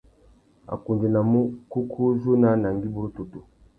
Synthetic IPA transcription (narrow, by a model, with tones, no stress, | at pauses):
a̰˨ku˨nd͡ʒi˨na˨mu˦ku˦kʰu˦ʒu˦na˦na˨ŋ˦ɡi˦bu˦ɾu˦tu˨tu˨